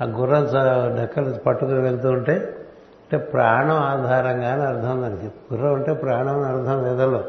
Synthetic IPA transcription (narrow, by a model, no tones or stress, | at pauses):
aɡurːɐnt͡ʃɐɖɐkːɐlɐpɐʈːukuniʋeɭt̪̬uːuɳʈeː | ɐɳʈeːpɾaːɳɐmaːd̪ʱaːɾɐŋɡaːniɐɾd̪ʱʰɐmund̪ɐnikiɡurːɐmuɳʈe̞ːpɾaːɳɐmɐnɐɾd̪ʰʱɐmlɛːd̪ɐlːoː